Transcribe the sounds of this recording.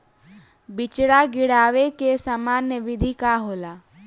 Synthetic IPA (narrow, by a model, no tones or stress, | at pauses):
bɪt͡ʃɽaːɡɪɽaːʋekesamaːnəʋɪd̪ʱikaːɦoːlaː